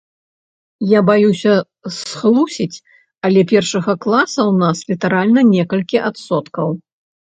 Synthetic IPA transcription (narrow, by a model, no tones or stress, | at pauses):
jabajusʲɐ | sxlˠusʲit͡sʲ | ɐlʲɛpʲɛrʂɐɣɐklˠasɐwnaslʲit̪aɾalʲnɐnʲɛkɐlʲkʲiʔat̪sɔt̪kɐw